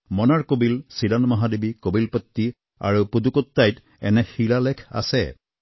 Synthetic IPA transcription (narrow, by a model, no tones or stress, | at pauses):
mɔnaɹkobilsidanmɔɦadebikobilpɔt̪ːi | a̰ɹupud̪ukɔt̪ːajt | ɛ̰nɛxilalɛkʰa̰sɛ̰